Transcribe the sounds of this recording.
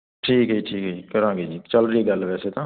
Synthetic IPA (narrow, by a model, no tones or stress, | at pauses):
ʈʰiːkɦiːʈʰiːkɦiːkəɾãːŋɡeːd͡ʒiːt͡ʃəlɾiiːɡəlʋɛːseːt̪ãː